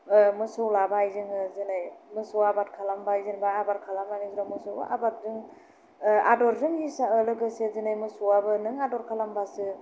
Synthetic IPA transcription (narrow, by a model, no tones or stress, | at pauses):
mɯsɯwlabajzɯŋɯzɯnajmɯsɯwabatkʰalambajzɯnbaːbaɾkʰalamanizɾɔmɯsɯwba̰ʔabat̚dɯŋ | a̰dɔɾdɯŋisaəlɯɡɯsezɯnajmɯsɔwabɯnɯŋadɔɾkʰalambasɯ